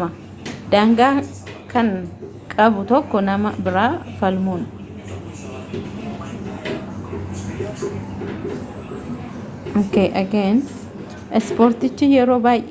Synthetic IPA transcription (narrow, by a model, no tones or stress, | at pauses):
ɐ | d̪aːŋɡaː | kʰɐŋ | kʼɐbʊt̪ɔkːɔnɐmɐbɪɾaːfɐlmun | keːʔɐkeːn | ʔɛspoːɾt̪ɪt͡ʃːijɛɾo̞ːbaːjʔ